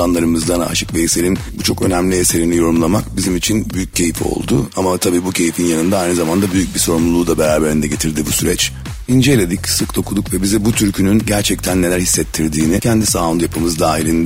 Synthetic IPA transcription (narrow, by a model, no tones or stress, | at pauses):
anlˠaɾɯmɯzd̪an̰a̰ʃʰɯ̥kveise̞ɾinbut͡ʃʰo̞kø̞næmlʲiese̞ɾinijo̞ɾumlˠamakbizimit͡ʃʰinbyjyc̚cʰːe̞jifo̰lˠd̪uamat̪ʰabiːbucʰe̞jifinjanɯnd̪aajnɯzamand̪abyjyc̚biso̞ɾumlˠulˠuːd̪abeɾaːbe̞ɾind̪ɛɟe̞t̪ʰiɾd̪ibusyɾɛt͡ʃ | ind͡ʒelʲe̞d̪icsɯkd̪o̞kʰud̪ukvɛbizibut̪ʰyɾcʰynynɟæɾt͡ʃʰɛc̚t̪ʰænːe̞lʲæɾhisːɛt̪ʰːiɾd̪iːnicʰɛnd̪isaːond̪ujapʰɯmɯzd̪aːɦilʲin